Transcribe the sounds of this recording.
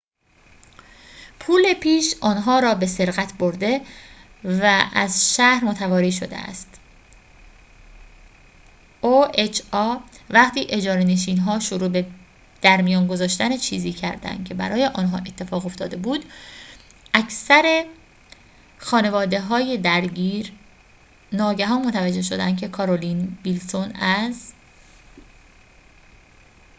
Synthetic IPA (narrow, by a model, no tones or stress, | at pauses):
pʰuːle̞pʰiːʃʔɒːnɦɒːɾɒːbe̞se̞ɾɣæt̪ʰbo̞ɾd̪e̞ | vææzʃæhɾmot̪ʰævɒːɾiːʃo̞d̪ḛæ̰st̪ | oet͡ʃʰɒːvæqt̪ʰiːʔe̞d͡ʒɒːɾeneʃ̬iːnɦɒːʃoɾuːbe̞ | d̪̥æɾmijɒːnɡo̞zɒːʃt̪ænet͡ʃʰiːziːcʰæɾd̪æ̰nd̪̥̚cʰe̞bæ̰ɾɒːje̞ʔɒːnɦɒ̰ːʔe̞t̪ʰːe̞fɒːɣo̞ft̪ɒːd̪e̞buːd̪ | ʔæcʰsæɾe̞ | xɒːne̞vɒːd̪e̞ɦɒːje̞d̪æɾɟiːɾ | nɒːɟæɦɒːnmot̪ʰævæd͡ʒːe̞hʃod̪æ̰nd̪̚cʰe̞kʰɒːɾoliːnbilsonæz